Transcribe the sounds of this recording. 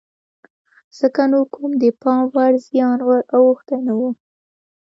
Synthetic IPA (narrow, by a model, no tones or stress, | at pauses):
z̥əkanokʰumd̪əpɑmwaɾzjɑnwaɾawuxt̪ajnawu